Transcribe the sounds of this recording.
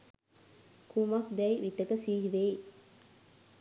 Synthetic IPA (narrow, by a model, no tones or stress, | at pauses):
kumakd̪ɛjiʋiʈːəkəsiːɦiʋej